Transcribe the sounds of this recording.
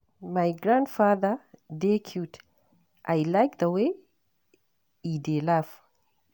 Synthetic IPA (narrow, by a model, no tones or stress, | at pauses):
majɡɾãndfaðəd̪ekʰut̪ | ʔajlajkd̪əwe | idelafə̥